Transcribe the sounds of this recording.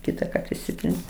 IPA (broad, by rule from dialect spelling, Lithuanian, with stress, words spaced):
ˈkʲiːtɐˌkɐrt ɪʃʲˈsʲɪtʲrʲɪns